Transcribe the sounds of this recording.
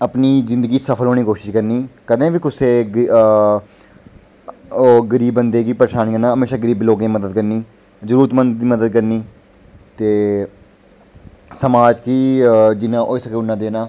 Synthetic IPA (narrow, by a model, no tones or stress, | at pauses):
əpniːzɪ̃nd̪əɡiːsəpʰəlɦoːñiːkoːʃɪʃkəɾniːkəd̪ẽːʋiːkʊseːɡ | oɡəɾiːbːənd̪eːkiːpəɾeːʃaːniːkənaːɦəmeːʃaːɡəɾiːbloːɡẽːməd̪əd̪̚kəɾniː | zəɾuːɾət̪mə̃nd̪d̪iːməd̪əd̪̚kəɾniː | t̪eː | səmaːd͡ʒkiːd͡ʒɪnãːʔoːisəkeːʊnːãːd̪eːnaː